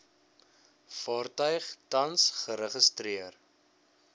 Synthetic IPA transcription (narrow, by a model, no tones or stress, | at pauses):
fɑːrtœɥχtɐnsχəɾəχəstriər